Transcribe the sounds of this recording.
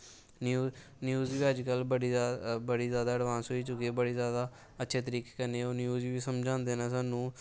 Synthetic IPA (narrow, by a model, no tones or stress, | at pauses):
njuːzʋiːəd͡ʒkəlbəɽiːbəɽiːzjaːd̪aːəɽʋaːnsɦoiːt͡ʃʊkiebəɽiːzjaːd̪aː | ətːʃʰeːt̪̬əɾiːke̥kəneːoːnjuːzːʋiːsəmd͡ʒãːnd̪eːnaːsaːnũː